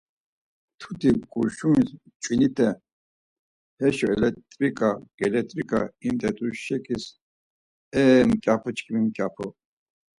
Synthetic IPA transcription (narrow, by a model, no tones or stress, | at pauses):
t̪ʰut̪ʰiɡuɾʃumis | t͡ʃʼwinit̪ʰʼɛ | hɛʃɔɛlɛt̪ʼɾikʼaɡ̥ɛlɛt̪ʼɾikʼa̰imt̪ɛt̪ʼuʃɛkʰis | ɛmkʲʼapʰɔt͡ʃkʰimimkʼjapʰɔ